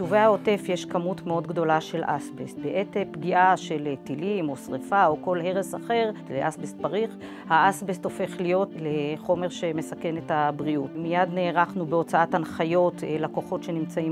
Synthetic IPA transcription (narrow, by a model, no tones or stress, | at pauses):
ʃuveao̞te̞fjeʃkamutmeo̞dɡdo̞laʃe̞lʔa̰sbest̚beʔetepɡiʔaʃe̞ltilimo̞sʁefaoko̞lɦe̞ʁesaχe̞ʁleʔasbest̚paʁiχ | haʔasbesto̞fe̞χlijo̞tleχo̞me̞ʁʃe̞me̞sake̞nethabʁiutmijadneːʁaχnubeo̞t͡saatanχajo̞tlakoχo̞tʃe̞nimt͡saim